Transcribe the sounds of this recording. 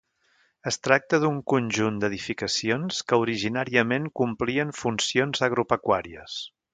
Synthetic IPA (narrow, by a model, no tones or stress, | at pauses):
əst̪ɾak̚t̪əðuŋkunʲʒund̪əðifikəsionskəuɾiʒinaɾiəmeŋkumpliəɱfunsionzəɣɾupəkwaɾiəs